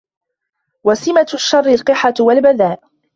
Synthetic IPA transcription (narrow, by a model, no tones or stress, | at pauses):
wasɪmaʃːɑrˤːɪlqɨħawalbaðaːʔ